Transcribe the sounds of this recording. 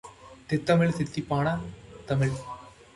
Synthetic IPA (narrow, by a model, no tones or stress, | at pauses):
t̪ɪt̪ːɐmɪɭsɪt̪ːipːaːnɐt̪ɐmɪɭ